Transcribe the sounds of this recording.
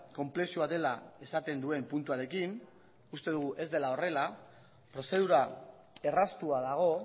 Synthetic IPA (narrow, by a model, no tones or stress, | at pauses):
ko̞mple̞suad̪e̞lae̞sat̪e̞nd̪ue̞mpunt̪uaɾe̞kin | ust̪e̞ðuɣuʔe̞zd̪e̞lao̞re̞la | pɾo̞se̞ðuɾa | e̞rast̪uað̞aɣ̞o̞